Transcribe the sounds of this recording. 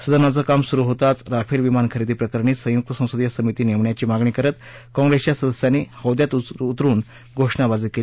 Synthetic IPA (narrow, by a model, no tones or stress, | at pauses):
səd̪ʱənad͡zəkamsuɾuɦot̪at͡sɾafʰilʋimankʰəɾid̪iːpɾəkəɾɳiːsə̃juk̚t̪əsə̃w̃səd̪ijasəmit̪iːneʋɳjat͡ɕiːmaɡɳiːkəɾət̪kɔ̃ŋɡɾest͡ɕjasəd̪əsjanːiːhəwd̪jat̪ut̪ɾuːn | ɡʱoʂɳabad͡ziːkeli